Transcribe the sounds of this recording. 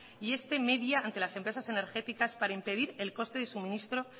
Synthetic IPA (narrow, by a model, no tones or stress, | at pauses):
ie̞st̪e̞me̞ðjaːnt̪e̞lase̞mpɾe̞sase̞ne̞ɾxet̪ikaspaɾaimpe̞ð̞iɾe̞lko̞st̪e̞ðe̞sumĩnist̪ɾo̞